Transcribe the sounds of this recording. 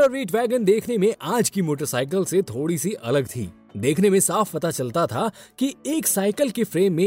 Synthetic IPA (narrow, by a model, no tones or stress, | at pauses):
əʋiːʈʋɛːɡənd̪eːkʰnemẽʔaːd͡ʒkimoːʈ̬əɾsaːɪk̬əlset̪ʰoːɽisiʔɐ̰ləɡt̪ʰḭː | d̪eːkʰnemẽsaːfpɐt̪at͡ʃɐlt̪at̪ʰakieːksaːɪkəlkefɾeːmːẽ